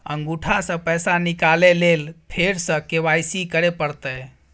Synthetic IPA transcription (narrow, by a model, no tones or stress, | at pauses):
ə̰ŋɡuʈʰasə̃pəjsanikalelelpʰeɾsə̃keʋajsikəɾepəɾt̪ə